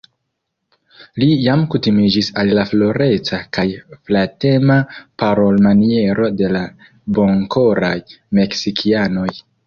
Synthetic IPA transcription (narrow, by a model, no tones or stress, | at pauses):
lijamkutimid͡ʒisalːaflo̞ɾe̞t͡sakajflate̞mapaɾo̞lmanie̞ɾo̞de̞la | bo̞ŋko̞ɾajme̞ksikʰiano̞j